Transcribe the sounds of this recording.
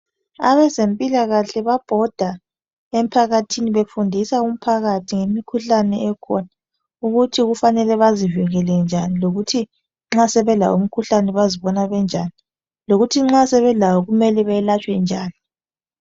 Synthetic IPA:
a̰βɛzempʼilaɣaɬɛβab̥ʱɔd̥ʱa | em̩pʰaɣatʰiniβefundʱisaum̩pʰaɣatʰiŋemikʰuɬanɛɛkʰɔna | uɣutʰiɣufanɛlɛβaziviɣɛlɛnd͡ʒʱaniloɣutʰi | ŋ͡ǁasɛβɛla̰wum̩kʰuɬanɛβaziβɔnaβɛnd͡ʒʱaːni | loɣutʰiŋ͡ǁasɛβɛlawɔɣumɛlɛβɛlat͡ʃʼwɛnd͡ʒʱaːni

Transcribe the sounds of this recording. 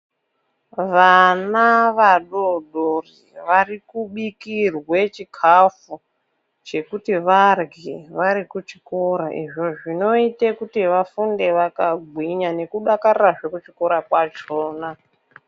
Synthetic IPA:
ʋanaʋaɗoɗoriʋarikuɓikirwe̞t͡ʃikʰafu | t͡ʃe̞kutiʋarɡʱiʋaɾikut͡ʃi̥ko̞ɾaʔḭʐo̞ʐino̞itekutiʋafunde̞ʋakaɡʱwiɲane̞kuɗakaraʐe̞kut͡ʃiko̞ɾakwat͡ʃoːna

